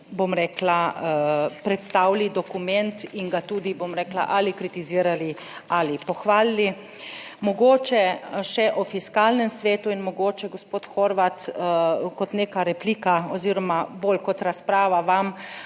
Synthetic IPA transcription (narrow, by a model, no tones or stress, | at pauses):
bomɾɛːkla | pɾɛt̪st̪awlid̪ɔkumɛnt̪iŋɡat̪uːd̪ibomɾɛːkla̰ʔalikɾit̪iziːɾali | alipɔxʋaːlːi | mɔɡoːt͡ʃɛʃɛʔɔfiskalnɛmsʋeːt̪uinmɔɡoːt͡ʃɛɡospoːt̪xɔɾʋat̪ | kɔt̪neːkaɾɛpliːkaɔziːɾɔmabolkɔt̪ɾaspɾaːʋaʋam